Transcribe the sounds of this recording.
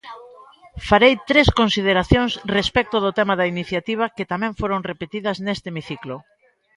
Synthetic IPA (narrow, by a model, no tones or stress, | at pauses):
faɾejt̪ɾeskonsið̞eɾaθjoŋsrespɛk̚t̪oðʊt̪ɛmaðɐiniθjat̪iβ̞ɐket̪amɛ̃ɱfoɾoŋrepet̪iðɐznest̪emiθiklo